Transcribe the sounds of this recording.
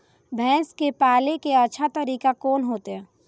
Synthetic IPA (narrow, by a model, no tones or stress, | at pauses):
bʱɛ̃ːskepaːlekeɐːʃʰat̪əɾiːkakoːnɦoːt̪eɦɛ̃ː